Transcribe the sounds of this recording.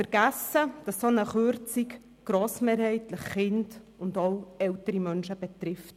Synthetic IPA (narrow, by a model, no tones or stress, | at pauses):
fəɾɡ̥æsəd̥ɑsːonəχøɾt͡sik | ɡ̥ɾoːsmeːɾhɛɪtləχːɪnd | ʊndɑlɛltəɾimœnʃəb̥ɛt̪ɾɪft